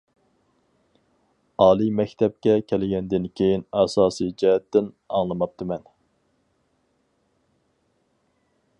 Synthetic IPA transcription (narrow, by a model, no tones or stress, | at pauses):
ɑːlˠimɛkʲt̪ʰɛp̚kʲɛkʲʰelɪɡʲɛnd̪ɪnkʲʰejinæsɑːsid͡ʒɛɦɛt̪ːɪn | ɑŋlˠɨmɑp̚t̪ʰɨmɛn